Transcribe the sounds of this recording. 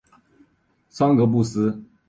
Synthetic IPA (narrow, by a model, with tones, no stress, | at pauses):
sɑ˥ŋkɤ˧˥p̬u˥˩sɹ̩˥